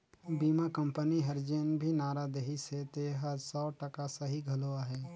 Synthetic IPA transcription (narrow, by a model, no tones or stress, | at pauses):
biːmakə̃mpəniɦɐɾd͡ʒeːnbʱinaːɾad̪eɦiset̪eːɦəsɔːʈəkasəɦiɡʱɐloːaɦɛː